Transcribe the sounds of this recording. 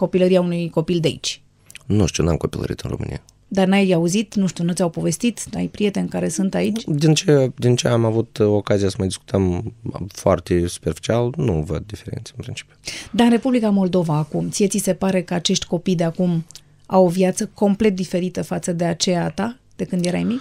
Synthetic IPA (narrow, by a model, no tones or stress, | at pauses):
ko̞piləɾiaunujko̞pild̪eaḭt͡ʃʲ | nuʃt̪unamkopilə̰ɾḭt̪ɨnromɨ̰nḭja | d̪arnajauzit̪nuʃt̪iunut̪ʲawpo̞ve̞st̪it̪na̰jpɾije̞t̪e̞nʲkaɾe̞sunt̪ait͡ʃʲd̪int͡ʃed̪int͡ʃḛamavut̪okazijasəmajd̪iskut̪əmfoa̰rt̪esu̥perfi̥t͡ʃialnuvə̰d̪̚d̪ifeɾḛnt̪seɨnpɾint͡ʃi̥pjud̪aɨnre̞publikamo̞ld̪o̞vaːkumt̪sijet̪sise̞paɾe̞kəat͡ʃe̞ʃt̪ʲko̞pijd̪eakum | a̰wo̞vjat̪səko̞mple̞t̪̚d̪ife̞ɾit̪əfat̪səd̪e̞at͡ʃe̞jat̪a | d̪̥e̞kɨnd̪je̞ɾa̰jmik